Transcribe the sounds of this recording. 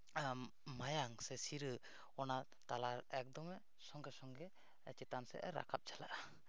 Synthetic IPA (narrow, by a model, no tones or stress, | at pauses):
majaŋsɛsiɾə | ɔna | t̪alaɾɛk̚d̪ɔmɛ | sɔŋɡɛsɔŋɡɛ | t͡ʃɛt̪ansɛ̰ʔɛɾa̰kʰap̚t͡ʃalaʔa